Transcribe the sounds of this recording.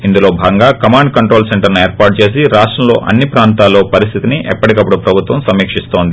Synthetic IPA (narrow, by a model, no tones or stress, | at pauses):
ind̪ulo̞ːbʱaːɡɐŋɡaːkɐmaːɳɖkɐɳʈɾo̞ːlseɳʈɐɾnue̞ːɾpaːʈ̚t͡ʃe̞ːs̬iɾaːʂʈɾɐmlo̞̰ːʔɐ̰nːipɾaːnt̪aːlːo̞ːpɐɾist̪ʰit̪iniʔɛpːɐʈikɐpːuɽupɾɐbʱut̪ʋɐmsɐmiːkʂist̪o̞ːnd̪i